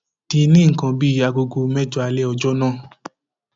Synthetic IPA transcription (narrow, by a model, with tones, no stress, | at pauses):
ti˧nĩ˦ŋ̩˨kã˧bi˦a˧ɡo˧ɡo˧mɛ̃˦d͡ʒu˦a˧lɛ˦ɔ˧d͡ʒɔ˦nãː˦˨